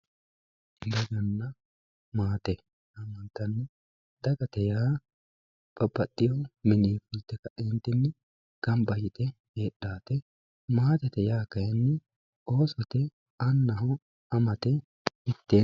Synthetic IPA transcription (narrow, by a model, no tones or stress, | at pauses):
lɐɡɐnːɐ | maːt̪ɛ | ɐmːɐnt̪ɐnːɛ | d̪̥ɐɡɐt̪ɛjaː | b̥ɐbːɐtːɪjɔmɪniːfʊlt̪ːɛkɐʔɪnt̪ːɪnːɛ | ɡ̥ɐmbɐjɪt̪ɛ | heːɗːaːt̪ɛ | maːt̪ɛt̪ɛjaːkɐjɛnːɛ | o̞ːsɔt̪ɛ | ɐnːɐɦɔ | ɐmɐt̪ɛ | ɪt̪ːeː